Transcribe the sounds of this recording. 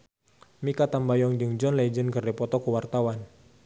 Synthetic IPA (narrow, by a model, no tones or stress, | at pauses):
mikat̪ambajɔŋd͡ʒəŋd͡ʒɔnlɛd͡ʒənkərdipɔt̪ɔkəwart̪awan